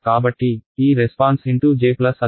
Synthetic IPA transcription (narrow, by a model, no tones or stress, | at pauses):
kaːbɐʈːiiːɾespaːnsiɳʈud͡ʒeːklɐsɐ